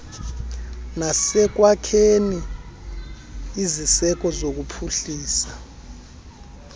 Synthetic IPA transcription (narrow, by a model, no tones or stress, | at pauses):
nasɛk̬wakʰeni | zisɛk̬ɔzok̬upʰuɬiːsḁ